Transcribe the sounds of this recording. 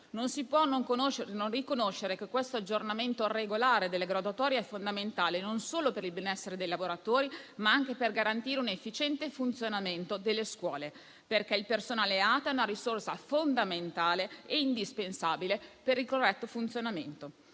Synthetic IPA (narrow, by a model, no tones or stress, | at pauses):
nonsipwɔnoŋkonoʃɾnonrikonoʃːeɾekekwest̪oad͡ʒːornament̪oreɡolaːɾed̪elːeɡɾad̪uat̪ɔːɾjeɛfːond̪ament̪aːlenonsoːlopeɾilbenɛsːeɾed̪ejlavoɾat̪oːɾimaaŋk̟eperɡaɾant̪iːɾeunefːit͡ʃɛnt̪efunt̪sjonament̪od̪elːeskwɔːle | perkɛilpersonaːleaːt̪oɛunaɾisorsafond̪ament̪aːleeind̪ispensaːbilepeɾilkorːɛt̪ːofunt̪sjonamḛnt̪o